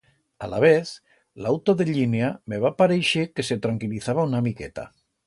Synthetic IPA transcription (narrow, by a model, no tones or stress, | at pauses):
ala̰β̞eθ | lawt̪oðeʎineameβ̞apaɾejʃekeset̪ɾaŋkiliθaβ̞aunamiket̪a̰